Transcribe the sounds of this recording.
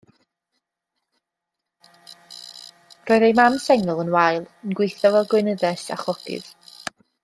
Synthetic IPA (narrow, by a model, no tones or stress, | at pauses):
r̥oːɨðejmamsɛŋəlˠənwajlˠənɡwɪjθɔvɛlˠɡwɪnəðɛsa̰χɔkɨ̰ð̥